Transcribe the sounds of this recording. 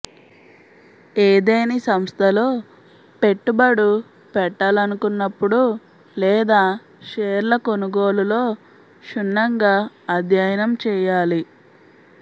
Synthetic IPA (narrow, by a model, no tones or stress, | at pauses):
eːd̪ejnisɐmst̪ʰɐlo̞ː | pe̞ʈːubɐɽu | pɛʈːaːlɐnukunːɐpːuɽu | lɛːd̪aː | ʃeːɾlɐko̞nuɡo̞ːlulo̞ː | ʃunːɐŋɡaː | ɐd̪ʱjajɐnɐmt͡ʃɛːjaːli